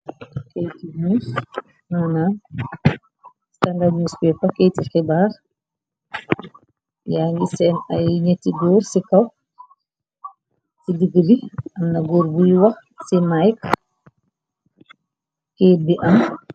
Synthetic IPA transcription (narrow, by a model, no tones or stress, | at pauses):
kejtiɲus | hana | standaɲuspɛpakejtikɛbaɾ | jaŋɡisɛnajɲetːiɡɔɾsikaw | sidiɡdiʔamnaɡɔɾbujwa | simajk | kɛbiʔam